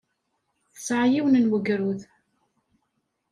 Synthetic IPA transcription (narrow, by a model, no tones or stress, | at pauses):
θəsʕjiwnənwəɡɾuð